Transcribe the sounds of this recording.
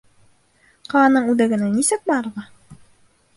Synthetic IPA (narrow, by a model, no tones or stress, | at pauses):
qɑɑnɤɴʉðæ̆ɡɘ̆nænisɘk̚bɑɾʁɤ